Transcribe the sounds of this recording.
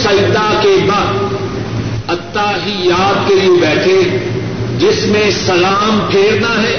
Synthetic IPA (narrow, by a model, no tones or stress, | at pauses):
sɐt̪akebɐ | ɐt̪ːaɦijaːd̪̚keliebɛːʈʰe | d͡ʒɪsmẽsɐlaːmpʰeːɽd̪aɦɛ̃ː